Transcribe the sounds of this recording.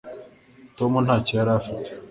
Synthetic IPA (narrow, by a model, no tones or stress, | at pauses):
tomunhaːcijaɾafite̥